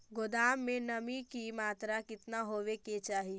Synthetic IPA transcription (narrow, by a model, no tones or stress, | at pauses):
ɡod̪aːmːẽnɐmikimaːt̪ɾakɪt̪naɦoːʋeket͡ʃaːɦi